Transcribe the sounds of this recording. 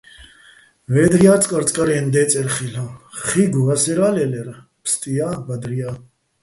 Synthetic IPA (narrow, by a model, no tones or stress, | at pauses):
vɛd̪ɾiaːɾt͡sʰʼkʼaɾt͡sʼkʼaɾɛːnd̪ɛːt͡s̪ʼɛɾχilaχiɡuasɛɾaːlɛlɛɾ | pʰst̪ʼijaːbad̪ɾia